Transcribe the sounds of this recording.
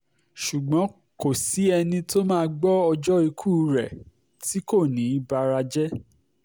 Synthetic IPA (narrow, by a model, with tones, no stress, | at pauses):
ʃu˨ɡ͡bɔ̃˨˦ | ko˨si˨˦ɛ˧nĩ˧to˦mãː˦ɡ͡bɔ˦ɔ˧d͡ʒɔ˦i˧kʰu˦ɾɛ̰˨ | ti˨˦ko˦˨nĩ˨˦i˦ba˧ɾa˧d͡ʒɛ˦